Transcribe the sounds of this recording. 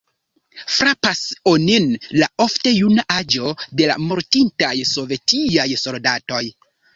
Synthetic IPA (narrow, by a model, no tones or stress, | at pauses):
fɾapasoninlao̞fte̞junaʔad͡ʒo̞de̞la̰mo̞ɾtintajso̞ve̞tiajso̞ldato̞j